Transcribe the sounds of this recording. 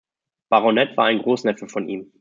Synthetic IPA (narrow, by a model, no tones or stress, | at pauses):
b̥aʁɔnɛtv̥aːɐaɪnɡʁoːsnɛfəfɔniːm